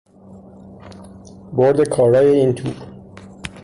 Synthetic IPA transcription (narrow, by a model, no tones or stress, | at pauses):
boɾd̪e̞kʰɒːɾɒːje̞iːnt̪ʰuː